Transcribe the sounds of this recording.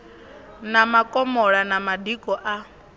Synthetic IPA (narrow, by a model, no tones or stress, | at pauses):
namakʼɔmɔɺanamadikʼɔʔa